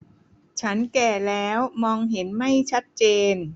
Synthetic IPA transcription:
t͡ɕʰa˦˥nkɛː˨˩lɛː˦˥wmɔː˧ŋɦe˩˦nma˥˩jt͡ɕʰa˦˥t̪̚t͡ɕeː˧n

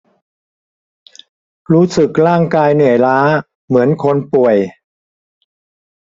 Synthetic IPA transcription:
ɾuː˦˥sɯ˨˩k̚ɾaː˥˩ŋkaː˧jnɯ˨˩əjlaː˦˥ | mɯ˩˦ənkʰo˧npu˨˩əj

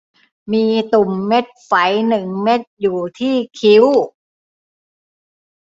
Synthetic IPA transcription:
miː˧t̪u˨˩mːe˦˥t̪̚fa˩˦jnɯ˨˩ŋme˦˥t̪̚juː˨˩t̪ʰiː˥˩kʰi˦˥w

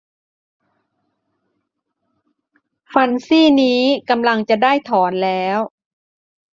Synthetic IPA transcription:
fa˧nsiː˥˩niː˦˥ka˧mla˧ŋt͡ɕa˨˩daː˥˩jt̪ʰɔː˩˦nlɛː˦˥w

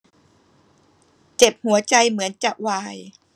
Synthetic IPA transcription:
t͡ɕe˨˩p̚hu˩˦ɐt͡ɕa˧jmɯ˩˦ənt͡ɕa˨˩ʔwaː˧j

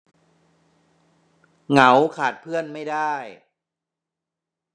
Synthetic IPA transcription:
ŋa˩˦wkʰaː˨˩t̪̚pʰɯ˥˩ənma˥˩jdaː˥˩j

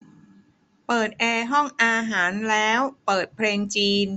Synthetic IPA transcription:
pɤː˨˩t̪̚ʔɛː˧ɦɔ˥˩ŋʔaː˧ɦaː˩˦nlɛː˦˥wpɤː˨˩t̪̚pʰleː˧ŋt͡ɕiː˧n

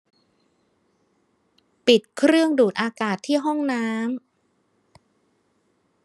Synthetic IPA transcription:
pi˨˩t̪̚kʰɾɯ˥˩əŋduː˨˩t̪̚ʔaː˧kaː˨˩t̪ʰːiː˥˩ɦɔ˥˩ŋnaː˦˥m

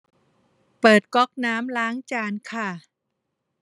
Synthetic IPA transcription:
pɤː˨˩t̪̚kɔ˦˥k̚naː˦˥mlaː˦˥ŋt͡ɕaː˧nkʰa˥˩

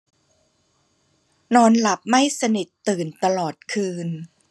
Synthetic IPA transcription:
nɔː˧nla˨˩p̚ma˥˩jsa˧ni˨˩t̪ːɯː˨˩nt̪a˧lɔː˨˩t̪̚kʰɯː˧n

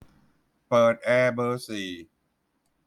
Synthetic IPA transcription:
pɤː˨˩t̪̚ʔɛː˧bɤː˧siː˨˩

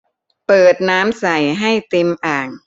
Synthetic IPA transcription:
pɤː˨˩t̪̚naː˦˥msa˨˩jɦa˥˩jt̪i˧mʔaː˨˩ŋ

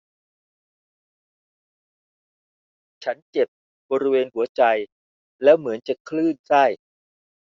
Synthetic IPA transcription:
t͡ɕʰa˦˥nt͡ɕe˨˩p̚ | bɔː˧ɾi˦˥weː˧nhu˩˦ɐt͡ɕa˧j | lɛː˦˥wmɯ˩˦ənt͡ɕa˨˩kʰlɯː˥˩nsa˥˩j

